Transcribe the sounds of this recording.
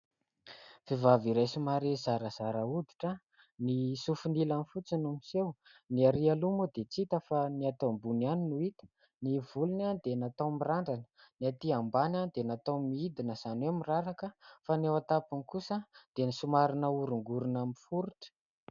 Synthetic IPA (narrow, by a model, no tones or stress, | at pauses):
v̥evaviɾajsumaɾezaɾəz̥aɾaud̪i̥ʈ͡ʂə | nisufunilanfut͡sinumisewniaɾialumud̪et͡sit̪əfaniat̪ombunianinuit̪ə̥ | nivulunand̪enat̪awmiraɳɖ͡ʐanə̥niat̪iambanand̪enat̪awmiid̪inəz̥anemiraɾakəfanewat̪apunikusəd̪̥enisumaɾinəuɾuŋɡuɾunamifuɾuʈ͡ʂə̥